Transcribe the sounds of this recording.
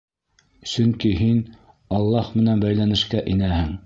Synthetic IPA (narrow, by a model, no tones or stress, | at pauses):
sɵŋkiɦin | ɑlˠːɑhmɘ̆nænbæjlænɘ̆ʃkæʔinæhɘŋ